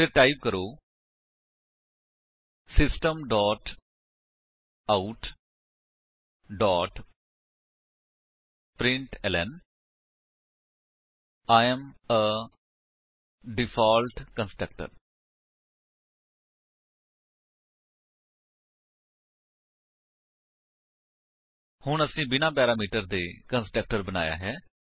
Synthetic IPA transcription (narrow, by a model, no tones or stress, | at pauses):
eʈaɪp̚kəɾo | sɪsʈə̃mɖɔːʈ | aʊʈ | ɖɔːʈ | pɾɪ̃ɳʈelḛ̃n | ajɛ̃mə | ɖɪpʰaːlʈkənsʈək̚ʈə̰ɾ | hʊɳəsĩːbɪnãːpɛːɾaːmiːʈəɾd̪eːkənsʈək̚ʈəɾbəna̰ːja̰ːɦɛː